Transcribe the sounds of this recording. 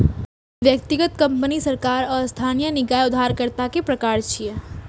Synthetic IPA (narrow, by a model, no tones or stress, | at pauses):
ʋjək̚t̪iɡət̪kəmpənisəɾkaɾɔst̪ʰanijənɪɡajʊd̪ʱaɾkəɾt̪akepɾəkaːɾt͡ʃʰie